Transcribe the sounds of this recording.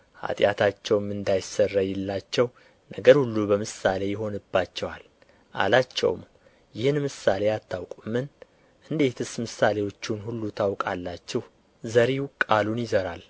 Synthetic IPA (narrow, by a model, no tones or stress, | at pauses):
ha̰t̪ʼjat̪ʰat͡ʃːɛwmːɨnd̪ajɪsərːajɛlːat͡ʃːɛw | nəɡəɾhulːubəmɨsale̞jɪɦo̞nɨbːat͡ʃːɛwal | ʔa̰lat͡ʃːɛ̰w̰m | jɪhɨnmɨsale̞jat̪ʰːawkʼumɨn | ʔɨnd̪e̞t̪ʰɨsmɨsale̞wo̞t͡ʃːunhulːut̪ʰawkʼalːat͡ʃːɛw | zəɾiwkʼalunjɪzəɾal